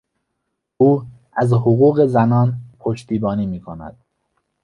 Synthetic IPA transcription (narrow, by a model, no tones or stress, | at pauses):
uː | æzhoɣuːɣe̞zænɒːnpʰoʃt̪ʰiːbɒːniːmiːkʰonæ̰d̪̥̚